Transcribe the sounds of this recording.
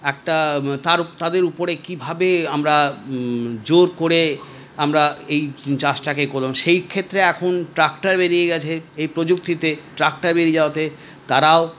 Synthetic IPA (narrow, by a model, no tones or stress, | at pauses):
ɛk̚ʈat̪aɾt̪ad̪eɾupoɾekibʱabeamɾa | d͡ʑoɾkoɾe | amɾaejt͡ɕasʈakekoleoŋʃejkʰet̪ːɾeɛkʰonʈɾakʈaɾbeɾijeɡɛt͡ɕʰeejpɾod͡ʑuk̚t̪it̪eʈɾak̚ʈaɾbeɾid͡ʑaoat̪e | t̪aɾao